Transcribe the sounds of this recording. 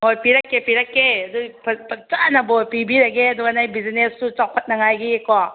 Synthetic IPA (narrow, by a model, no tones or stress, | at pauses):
ɦojpiɾakːepiɾakːeɐdupʰɐpɐt͡ʃanabojpibiɾaɡeɐduɡanajbizinestut͡ʃaw̚pʰɐt̚nɐŋajɡiekowa